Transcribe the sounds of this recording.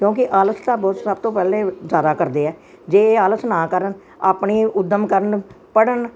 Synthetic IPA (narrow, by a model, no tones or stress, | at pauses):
kjõːkɪʔaːlət̪ʰt̪ãːbɔːt̪səb̚t̪õːpɛːleːd͡ʒjaːd̪aːkəɾd̪eːɛː | d͡ʒeːaːlət̪nãːkəɾən | aːpɳiːʊd̪əmkəɾən | pəɽən